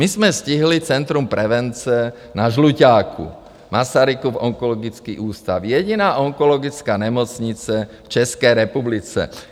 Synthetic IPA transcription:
mizmɛsciɦlit͡sɛnt̪ɾumpɾɛʋɛnt͡sɛ | naʒlucaːkʰṵ | masaɾikuvɔ̰ŋkɔlɔɡit͡skḭːʔuːst̪a̰wjɛɟinaːʔɔŋkɔlɔɡit͡skaːɲɛmɔt͡sɲit͡sɛft͡ʃɛskɛjɾɛpublit͡sɛ̰

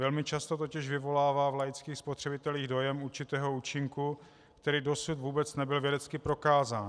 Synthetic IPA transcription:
vɛlmɪt͡ʃast̪o̞t̪o̞cɪʃvɪvo̞laːvaːvlajɪt͡skiːxspot̪r̥ɛbɪt̪ɛliːɣdo̞jɛmuɾt͡ʃɪt̪ɛːɦo̞uːt͡ʃɪŋku | kt̪ɛɾiːdo̞sut̪vuːbɛt͡snɛbɪlvjɛdɛt͡skɪpɾo̞kaːzaːn

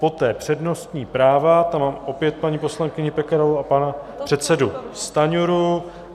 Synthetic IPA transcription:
po̞t̪ɛːpr̝̥ɛdno̞st̪ɲiːpɾaːvat̪amaːmʔo̞pjɛt̪̚paɲiːpo̞slaŋkɪɲɪpɛkɛɾaluapanapr̥ɛt̪sɛdust̪aɲuɾu

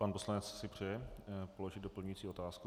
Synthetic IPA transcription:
panpo̞slanɛt͡ssɪpr̝̥ɛjɛpo̞lo̞ʒɪd̪do̞pl̩ɲujit͡siːo̞t̪aːsku

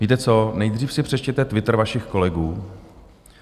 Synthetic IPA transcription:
viːt̪ɛt͡so̞nɛjd̪r̝iːfsɪpr̝̥ɛt͡ʃcɛt̪ɛt̪vɪt̪r̩vaʃɪxko̞lɛɡuː

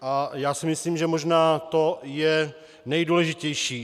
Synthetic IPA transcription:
ʔajaːsɪmɪsliːmʒɛmoʒnaːt̪ojɛ | nɛjduːlɛʒɪcɛjʃiː

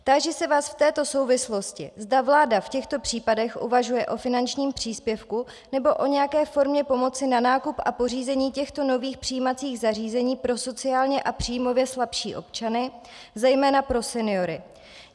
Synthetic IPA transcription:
t̪aʒɛsɛvaːsft̪ɛːt̪o̞so̞wvɪslo̞scɪzdavlaːdafcɛxt̪o̞pr̝̥iːpadɛxʔṵvaʒujɛʔo̞fɪnant͡ʃɲiːmpr̝̥iːspjɛfku | nɛbo̞ʔo̞ɲɛjakɛːfo̞ɾmɲɛpo̞mo̞t͡sɪnanaːkupʔapo̞r̝iːzɛɲiːcɛxt̪o̞no̞viːxpr̥ijimat͡siːɣzar̝iːzɛɲiːpɾo̞so̞t͡sɪaːlɲɛʔapr̥ijmo̞vjɛslapʃiːʔo̞̰pt͡ʃanɪ | zɛjmɛːnapɾo̞sɛnɪo̞ɾɪ

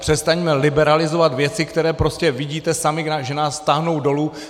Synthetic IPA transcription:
pr̥ɛst̪aɲmɛlɪbɛɾalɪzo̞vat̪vjɛt͡sɪkt̪ɛɾɛːpɾo̞scɛvɪɟiːt̪ɛsamɪaʒɛnaːst̪aɦno̞wdo̞lu

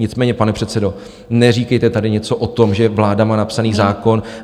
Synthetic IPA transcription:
ɲɪt͡smɛːɲɛpanɛpr̝̥ɛt̪t͡sɛdo̞ | nɛr̝iːkɛjt̪ɛt̪adɪɲɛt͡so̞ʔot̪o̞mʒɛvlaːdamaːnapsaniːzaːko̞n

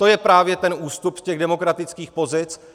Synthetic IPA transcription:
t̪o̞jɛpɾaːvjɛt̪ɛnʔuːst̪upscɛɣdɛmo̞kɾat̪ɪt͡skiːxpo̞zɪt͡s

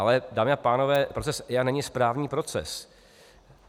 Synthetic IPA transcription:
alɛdaːmɪapaːno̞vɛːpɾot͡sɛsjanɛɲɪspɾaːvɲiːpɾo̞t͡sɛ̰s

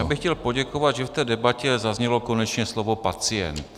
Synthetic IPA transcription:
aːbɪxcɛlpo̞ɟɛkovad̪ʒɛft̪ɛːdɛbacɛzazɲɛlo̞ko̞nɛt͡ʃɲɛslovo̞pat͡sɪjɛ̰nt̪

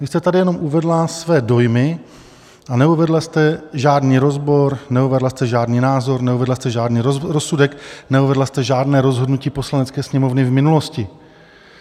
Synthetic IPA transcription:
vɪst̪ɛt̪adɪjɛno̞mʔuvɛdlasvɛːdo̞jmɪ | ʔanɛuvɛdlast̪ɛʒaːdniːɾo̞zbo̞ɾnɛuvɛdlast̪ɛʒaːdniːnaːzo̞ɾnɛuvɛdlast̪ɛʒaːdniːɾoɾosudɛknɛuvɛdlast̪ɛʒaːdnɛːɾo̞zɦo̞dnuciːpo̞slanɛt͡skɛːsɲɛmo̞vnɪvmɪnulo̞scɪ

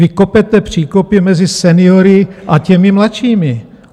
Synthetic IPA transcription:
ɪkopɛt̪ɛpr̝̥iːkopɪmɛzɪsɛnɪoɾɪʔacɛmɪmlat̪t͡ʃiːmɪ

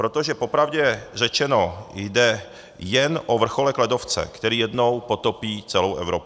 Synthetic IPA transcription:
pɾot̪oʒɛpopɾavɟɛrɛt͡ʃɛnojdɛ | jɛnʔovr̩xo̞lɛklɛdo̞ft͡sɛ̰kt̪ɛɾiːjɛdno̞wpo̞t̪o̞piːt͡sɛlowʔɛ̰vɾop

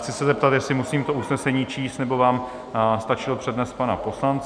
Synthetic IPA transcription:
t͡sɪsɛzɛp̚t̪at̪jɛslɪmusiːmt̪o̞ʔusnɛsɛɲiːt͡ʃiːst̪nɛbo̞vaːm | st̪at͡ʃɪlopr̝̥ɛdnɛst̪pana̰po̞slant͡s

